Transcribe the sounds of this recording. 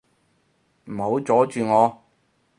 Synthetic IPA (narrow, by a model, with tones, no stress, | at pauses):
m̩˨˩ho˨˧wt͡sɔː˨˥t͡ʃyː˨ŋɔː˨˧